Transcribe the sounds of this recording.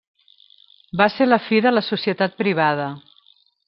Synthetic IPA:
baseɾləfiðələsusiət̪at̪̚pɾiβ̞að̞ə

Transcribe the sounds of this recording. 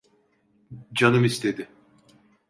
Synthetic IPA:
d͡ʒanɯmist̪ʰe̞d̪ɪ

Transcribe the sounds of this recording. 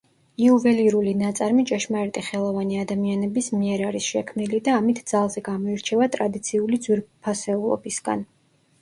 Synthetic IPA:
iuvɛliɾulinat̪sʼaɾmit͡ʃʼɛʃmaɛɾt̪ʼiχɛlˠɔvaniad̪amianɛbismiɛɾaɾisʃɛkʰmnilid̪aːmit̪ʰd̪z̥alˠzɛɡamɔiɾt͡ʃʰɛvat̪ʼɾad̪it̪sʰiulid̪zwiɾpʰasɛulˠɔ̰bisɡ̥a̰n

